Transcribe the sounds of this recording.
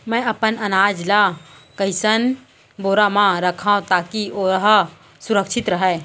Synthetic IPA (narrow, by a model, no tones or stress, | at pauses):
mɛ̃ɐpənɐnaːd͡ʒla | kəɪsən | boːɾamãɾɐkʰãːũt̪aːkioːɾɦ | sʊɾəkʃɪt̪ɾɐɦɛː